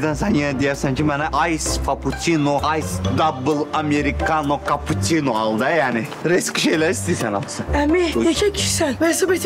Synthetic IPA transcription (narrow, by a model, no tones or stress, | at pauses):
d̪ænsænjenɛd̪ijæɾsænt͡ʃʰimbanaʔajsfapʰut̪ʰinoajsd̪abɯlˠameɾikʰanokʰapʰut̪ʰinoalˠd̪ajaːnɪɾɛskiʃejlʲæɾist̪ʰisæna̰mˠɯsɯnɛmieʃʰɛkʰi̥ʃsænvɛsabet̪ʰ